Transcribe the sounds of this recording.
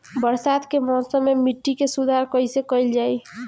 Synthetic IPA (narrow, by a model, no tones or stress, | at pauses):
bəɾsad̪kemɔ̃sə̃mːemiʈːikesud̪ʱaɾkəisekəjld͡ʒaj